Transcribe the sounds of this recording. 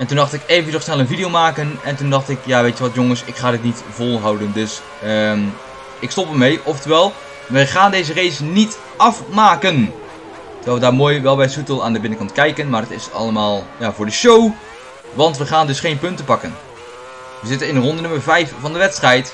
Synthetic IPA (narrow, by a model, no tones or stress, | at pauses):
ɛntundɑχtɪkevədɔχsnɛlˠənvidijowmaːkənɛntundɑχtɪkjaːʋejtəʋɑtjoŋəsɪkχaːdɪtnit | v̥ɔlˠɦɑwdəndɵs | əm | ɪkstɔpəɹmejʔɔftəʋɛlˠ | ʋəχaːndejzərejsnit | ʔɑfmaːkən | tərɹɛlˠʋədaːɹmoːjʋɛlˠbɛjsutəlˠaːndəbɪnəkɑntkɛjkənmaːrdətɪsɑ̰lˠəmaːlˠjaːvʊːɹdəʃow | ʋɑntʋəχaːndɵsχejnpɵntəpɑkən | ʋəzɪtənɪnərɔndənɵməɹvɛjfvɑndəʋɛtstrɛjt